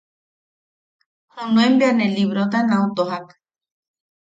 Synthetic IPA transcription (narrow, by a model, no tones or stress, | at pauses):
hɨnũembianẽliβɾot̪anãut̪oɦak